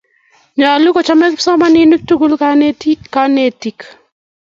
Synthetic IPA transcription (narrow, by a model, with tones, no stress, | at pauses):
ɲa˨lu˦ko˨t͡ʃa˦mɛ˦ksɔ˦ma˦nɪ˦nu˦k̚tu˦ɡu˦lkaka˦ne˦ti˨k